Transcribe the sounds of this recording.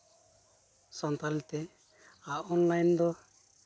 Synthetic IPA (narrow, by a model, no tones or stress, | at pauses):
sɔnt̪alɛt̪ɛ | aɔnlajnd̪ɔ